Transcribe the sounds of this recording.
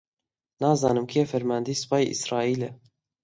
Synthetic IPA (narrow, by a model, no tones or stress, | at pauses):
nɑːzɑːnɨmkʰijɛfɛɾmɑːnd̪iːsɨ̥pɑːjiʔḭsɾɑːiːlɛ